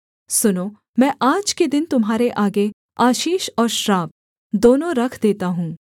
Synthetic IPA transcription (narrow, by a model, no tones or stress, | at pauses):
sʊnoː | mɛ̃ːʔaːd͡ʒked̪ɪnt̪ʊmɦaːɾeʔaːɡe | aːʃiːʃɔːɾʃɾaːb̚ | d̪oːnõɾɐkʰd̪eːt̪aɦũː